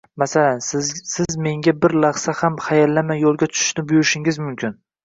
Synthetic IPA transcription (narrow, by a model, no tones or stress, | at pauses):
masalansɪzme̞ŋɡʲabɪɾlɑχsahamχajalːamajːolˠɡʲat̪ʰʊ̥ʃʊ̥ʃnɪbʊjʊɾɪʃɪŋɪzmʊmkʲʰɪn